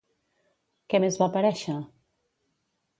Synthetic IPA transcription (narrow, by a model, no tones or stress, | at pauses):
kemezβapaɾɛʃa